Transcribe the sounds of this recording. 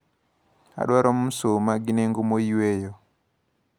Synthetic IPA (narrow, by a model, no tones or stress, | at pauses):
a̰ɗwaɾɔm̩somaɡinɛŋɡumoiwɛjɔ